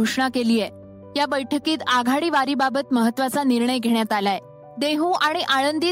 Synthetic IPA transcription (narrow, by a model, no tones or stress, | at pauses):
uʂɳakeliːjɛ | jabəjʈʰəkiːt̪aɡʱaɽiːʋaɾiːbabət̪məɦət̪ːʋat͡saniɾɳəjɡʱeɳ̃jat̪alae | d̪eɦũːʔaɽ̃iʔaɭənd̪iː